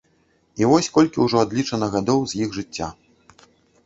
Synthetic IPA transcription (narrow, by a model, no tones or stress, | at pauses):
ivɔsʲkɔlʲkʲiwʐɔad̪lʲit͡ʂɐnɐɣad̪ɔwzʲjiɣʐɨt͡sʲːa̰